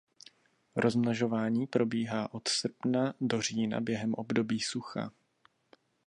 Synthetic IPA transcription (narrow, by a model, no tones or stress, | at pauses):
ɾo̞zmnaʒo̞vaːɲiːpɾo̞biːɦaːʔo̞t̪sr̩pnado̞r̝iːna̰bjɛɦɛmʔo̞bdo̞biːsuxa̰